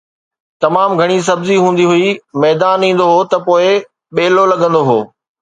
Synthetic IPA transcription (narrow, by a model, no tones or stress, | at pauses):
t̪ɐmaːmɡʱɐɽ̃is̬ɐbziɦũːn̆d̪iɦʊimɛːd̪aːnĩːn̆d̪oɦot̪ɐpoːɪ | ɓeːlolɐɡə̃nd̪oɦoː